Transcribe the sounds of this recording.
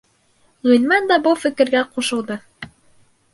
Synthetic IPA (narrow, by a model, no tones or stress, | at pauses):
ʁɵ̆nmɑnd̪ɑbɤlˠfɘ̆kɘ̆ɾɡæquʃɤ̆lˠd̪ɤ